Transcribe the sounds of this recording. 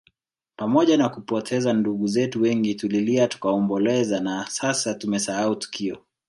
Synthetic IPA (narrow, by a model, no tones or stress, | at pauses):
pamɔʄanakupɔtʰɛzanduɠuzɛtuwɛŋɡituliliatu̥kaɔmbɔlɛzanasasatumɛsahautu̥kʰiɔ